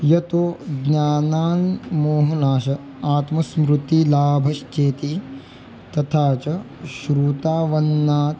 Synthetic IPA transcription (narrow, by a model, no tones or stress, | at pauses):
jɐt̪oɡɲaːnaːnmoːɦɐnaːʃɐ | aːt̪mɐsmɾut̪ilaːbʱɐʃt͡ʃeːt̪i | t̪ɐt̪ʰaːt͡ʃɐ | ʃɾuːt̪aːʋɐnːaːt̪